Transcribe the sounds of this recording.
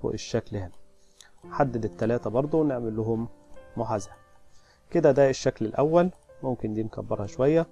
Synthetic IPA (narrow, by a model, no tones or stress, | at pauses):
ṵʔeʃːæklhæm | ħad̪ːed̪et̪ːælæːt̪æbɑɾˤd̪ˤowneʕmelːʊɦʊmːʊħazæɾ | ked̪æd̪æeʃːæklelʔæwːælmomkɪnd̪iːnkæ̰bːɑɾˤhæʃowæjːæ